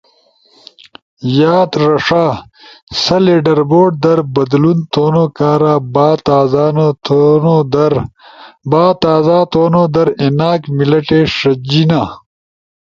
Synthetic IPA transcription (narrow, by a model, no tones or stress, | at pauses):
jaːt̪ɾɐʂaː | sɐleɖɐɾboːɖ̚d̪ɐɾbɐd̪lunt̪oːnokaːɾaːbaːt̪aːzaːnot̪ːnod̪ɾ | baːt̪aːzaːt̪oːnoːd̪ɐɾenaːkmilɐʈeːʂɐd͡ʑina